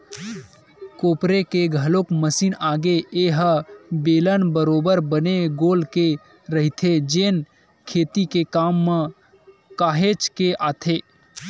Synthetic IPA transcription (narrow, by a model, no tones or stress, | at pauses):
koːpɾekeɡʱəlokməsiːnaːɡeeɦbeːlənbəɾoːbəɾbəneɡoːlke | ɾəɦit̪ʰed͡ʒeːn | kʰeːt̪ikekaːmːẽ | kaːɦet͡ʃkeʔaːt̪ʰeː